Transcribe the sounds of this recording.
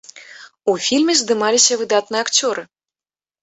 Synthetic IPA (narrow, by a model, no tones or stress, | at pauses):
ufʲilʲmʲɛzd̪ɨmalʲisʲɐvɨd̪at̪nɨɛakt͡sʲɔɾɨ